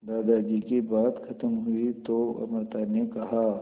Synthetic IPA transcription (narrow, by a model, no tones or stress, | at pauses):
d̪aːd̪ad͡ʒikibaːt̪kʰɐt̪əmɦʊit̪oɐ̰məɾt̪anekɐɦaː